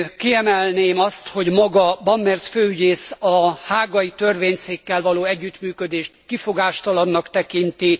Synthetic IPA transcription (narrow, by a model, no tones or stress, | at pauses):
kiɛmɛlneːmɒst̪ho̞ɟmɒɡɒbɒmːɛrsføːyɟeːsɒhaːɡɒjit̪ø̞rveːɲseːkːɛlvɒloːɛɟːyt̪myːkød̪eːʃt̪kifo̞ɡaːʃt̪ɒlɒnːɒkt̪ɛkint̪i